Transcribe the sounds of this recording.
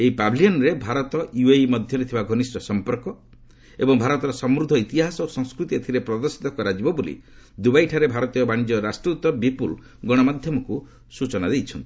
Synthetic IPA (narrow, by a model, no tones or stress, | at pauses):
eipabʱiliɔnɾebʱaɾɔt̪ɔjuejmɔd̪ʱjɔɾet̪ʰibaɡʱɔnisʈɔsɔmpɔɾkɔ | ebɔŋbʱaɾɔt̪ɔɾɔsɔmɾud̪ʱɔit̪iɦasɔosɔŋskɾut̪iet̪ʰiɾepɾɔd̪ɔɾsi̥t̪ɔkɔɾad͡ʒibɔbolḭd̪ubajʈʰaɾebʱaɾɔt̪ijɔbaɽ̃id͡ʒɔɾasʈɾut̪ːɔbipul | ɡɔɽ̃ɔmad̪ʱjɔmɔku | sut͡ʃɔnad̪ejt͡ʃʰɔnt̪ii